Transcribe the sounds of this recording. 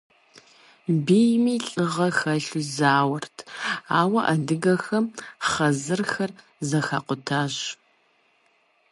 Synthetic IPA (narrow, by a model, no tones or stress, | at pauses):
beːjmiːɬʼɨʁɐxɐɬuzaːwɐrtʰaːwɐʔɐdɨɡɐxɐmχɐzɨrxɐr | zɐxa̰ːqʷʊtʰaːʑ